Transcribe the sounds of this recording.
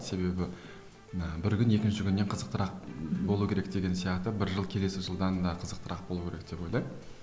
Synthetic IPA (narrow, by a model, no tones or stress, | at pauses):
se̞be̞bɪ | əbɪɾkʲʏne̞kʲɪnʃɪkʲʰʏnːe̞ɴqʰəzəqt̪əɾɑq̚bbo̞lˠukʲʰeɾek̚d̪̥e̞ɡʲe̞nsijɑqt̪əbɪɾʒəlˠkʲʰele̞sɪʒəlˠd̪ɑd̪ɑqʰəzəq̚t̪əɾɑq̚bo̞lˠukʲeɾek̚d̪e̞po̞jlˠɑjm